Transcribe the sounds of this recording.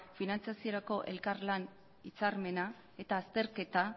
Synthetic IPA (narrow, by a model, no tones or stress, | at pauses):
finant͡siasio̞ɾako̞ʔe̞̰lkaɾlan | it͡saɾme̞na | e̞t̪aːst̪e̞ɾke̞t̪a